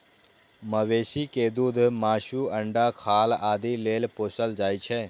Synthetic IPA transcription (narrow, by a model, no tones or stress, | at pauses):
məʋeːsiked̪uːd̪ʱmaːʃuə̃ɳɖakʰaːlaːd̪ileːlpoːsəld͡ʒaːit͡ʃʰɛ